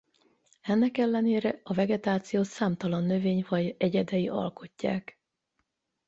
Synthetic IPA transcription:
ɛnːɛkɛlːɛneːɾɛɒvɛɡɛt̪aːt̪sijoːsaːmt̪ɒlɒnːø̞veːɲvɒɟɛɟɛd̪ɛjiʔɒ̰lko̞cːa̰ːk

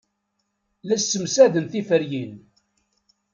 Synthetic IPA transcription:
læsːəmsæðənθifəɾjin

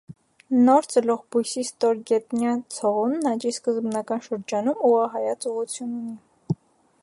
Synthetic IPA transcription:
nɔɾt͡səlɔʁbujsist̪ɔɾɡɛt̪njɑt͡sʰɔʁunnɑt͡ʃiskəzbnɑkɑnʃəɾd͡ʒɑnumuɑɦɑjɑt͡suʁut͡sʰjununi

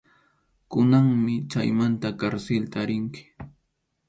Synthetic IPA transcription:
kʊnaŋmɪt͡ʃa̰jmant̪akaɾselt̪aɾɪŋkɪ̥

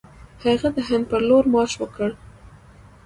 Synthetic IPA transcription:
haɣad̪əɦan̚pəɾloɾmɑʃwəkəɽ

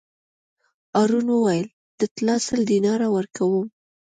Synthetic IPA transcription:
ɑɾunwəwajəl | d̪̥ət̪lɑsəld̪inɑɾawəɾkawum

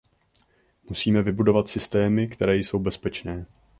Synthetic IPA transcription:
musiːmɛvɪbudo̞vat̪sɪst̪ɛːmɪkt̪ɛɾɛːjso̞wbɛspɛt͡ʃnɛː

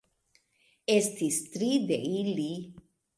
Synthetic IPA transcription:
est̪ist̪ɾid̪eili

